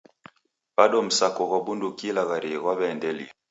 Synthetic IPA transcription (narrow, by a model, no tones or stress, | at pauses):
b̥aɗɔm̩sakɔɣabundukilaɣaɾiɣwaβɛːndɛli